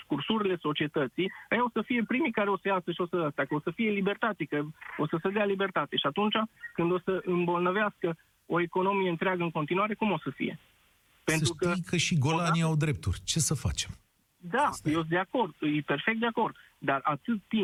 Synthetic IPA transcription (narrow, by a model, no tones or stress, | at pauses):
skursuɾile̞so̞t͡ʃie̞t̪ət̪sijajaosəfije̞pɾimijkaɾeo̞səjasəʃio̞səast̪ʲakəo̞səfije̞libe̞rt̪at̪sikəo̞səsed̪ealibe̞rt̪at̪e̞ʃiat̪unt͡ʃakɨnd̪o̞səʔɨmbo̞lnəveaskə | o̞e̞ko̞no̞mije̞ɨnt̪ɾeaɡəɨŋkot̪inuwaɾe̞kumo̞səfḭje̞̰ | penɾukəikəʃiɡo̞laniawd̪ɾe̞p̚t̪ṵrʲt͡ʃe̞səfa̰t͡ʃem | d̪aɨjos̬d̪eako̞rd̪ɨjpe̞rfe̞k̚t̪d̪e̞ako̞rd̪ | d̪arat̪ɨt̪ːi